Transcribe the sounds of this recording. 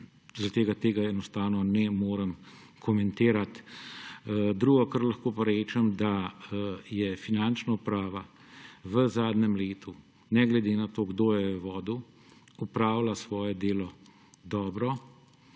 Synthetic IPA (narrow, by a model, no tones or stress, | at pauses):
zat̪eːɡat̪eːɡaɛnɔst̪aːwnɔnɛmoːɾəm | kʰɔmɛnt̪eːɾat̪ | d̪ɾuːɡɔkɐɾlaxkoːpaɾɛːt͡ʃɛmd̪a | jɛfinant͡ʃnaupɾaːʋa | ʋəzaːd̪nɛmleːt̪ʰu | nɛɡlɛd̪eːnat̪oːɡd̪oːjɛʋəʋɔːd̪u | upɾaːwlasʋɔːjɛd̪eːlɔ | d̪ɔːbɾɔ